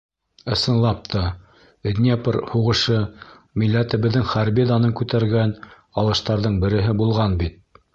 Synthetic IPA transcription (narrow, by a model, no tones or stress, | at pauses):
ɤ̆sɤ̆nlˠɑp̚t̪ʰɑ | d̪ʲnʲepɾhuʁɤ̆ʃɤ | milːæt̪ɘ̆βɘ̆ðːɘŋχæɾbed̪ɑnɤŋkʉt̪æɾɡæn | ɑlˠɤ̆ʃt̪ɑɾðɤɴbɘ̆ɾɘ̆ɦɘbulˠʁɑnbit̪̚